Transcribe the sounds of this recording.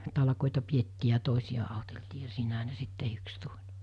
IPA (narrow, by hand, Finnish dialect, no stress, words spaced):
tɑlɑ̆koˑetɑ pietːiː jɑ toˑesijɑ ɑˑoteltiː jɑ siːnæɦæ ne sit tehyks tulʲ